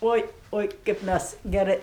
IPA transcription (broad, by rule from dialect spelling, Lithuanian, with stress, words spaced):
ˈoːɪ ˈoːɪ kɐɪp ˈmʲæs ɡʲɛˈrɜ